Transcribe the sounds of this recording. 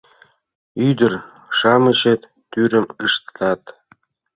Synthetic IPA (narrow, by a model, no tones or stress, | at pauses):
yd̪ɘ̆r | ʂɑmɤ̆ɕĕt̪ | t̪ːyɾʲɘ̆mɯʂt̪t̪ɑt̪